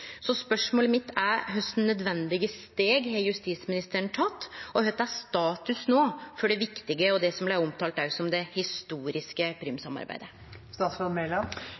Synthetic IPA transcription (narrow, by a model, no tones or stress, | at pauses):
sɔspœʂmoːləmɪt̪ːæɦœst̪n̩nœd̪ʋɛnd̪ɪɡəst̪eːɡhejʉst̪iːsmɪnɪst̪əɾəɳt̪ʰɑt̪ːɔhœt̪ːæst̪ɑːt̪ʉsnoːfɔɖɛʋɪkt̪ɪɡəɔd̪ɛsɔmblæɪɔmt̪ʰɑːlt̪æsɔmd̪ɛhɪst̪uːɾɪskəpʰɾyːmsɑmɑ̰ɾbæ̰ɪd̪ə | st̪ɑːt̪sɔnmɛlɑm